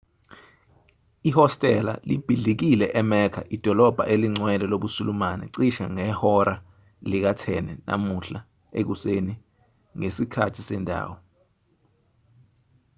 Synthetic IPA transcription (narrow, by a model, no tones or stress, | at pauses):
ihɔstʼɛla̰lib̥ʱiɮik̬ilɛʔɛmɛkʰaʔid̥ʱɔlɔb̥ʱa̰ʔeliŋ͡ǀwɛlɛloɓusulumanɛ̰ǀiʃaŋɛhɔɾa | lik̬atʰɛnɛ̰nʔa̰muɬa | ek̬useni | ŋesikʰatʰisɛndʱa̰ːwɔ